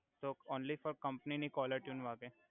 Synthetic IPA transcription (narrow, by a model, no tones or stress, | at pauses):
t̪oːoːnlifɔɾkɐ̃mpninikɔːləɾʈjũnʋaːke